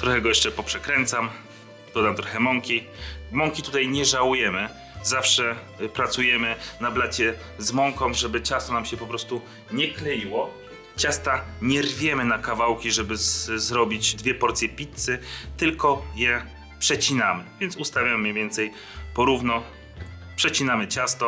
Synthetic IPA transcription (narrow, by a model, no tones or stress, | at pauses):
t̪ɾɔxɛɡɔjɛʂt͡ʂɛpɔpʂɛkɾɛnt̪sam | d̪̥ɔd̪amt̪ɾɔxɛmɔŋkʲi | mɔŋkʲit̪ut̪ajɲɛʐawujɛmɘ | zafʂɛ | pɾat̪sujɛmɘnablat͡ɕɛ | zmɔŋkɔmʐɛbɘt͡ɕast̪ɔnamɕɛpɔpɾɔst̪u | ɲɛklɛjiwɔ | t͡ɕast̪aɲɛrvʲjɛmɘnakavawkʲiʐɛbɘzɾɔbʲid͡ʑd̪vʲjɛpɔɾt̪sʲjɛpʲit̪sɘt̪ɘlkɔjɛ | pʂɛt͡ɕinamɘvʲjɛnsust̪avʲjamɘjɛvʲjɛnt̪sɛj | pɔɾuvnɔ | pʂɛt͡ɕinamɘt͡ɕast̪ɔ